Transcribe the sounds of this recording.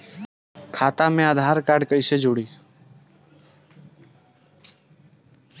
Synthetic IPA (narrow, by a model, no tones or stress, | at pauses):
kʰaːt̪aːmẽaːd̪ʱaːɾkaːɖkəiseːd͡ʒoːɽiː